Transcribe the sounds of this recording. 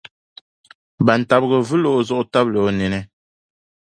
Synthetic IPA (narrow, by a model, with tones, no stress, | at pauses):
ba˨n̩˨ta˨b̚ɣə˨vɨ˦lo˦ʔzɔ˦ʔta˦blo˨˦nɛ˨nɛ˦